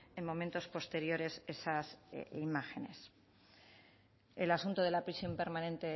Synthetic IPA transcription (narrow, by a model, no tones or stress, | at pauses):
e̞nmõ̞mẽ̞nt̪o̞spo̞st̪e̞ɾjo̞ɾe̞se̞sasimaxe̞ne̞s | elasunt̪oð̞e̞lapɾisjo̞mpe̞ɾmãnẽ̞nt̪e̞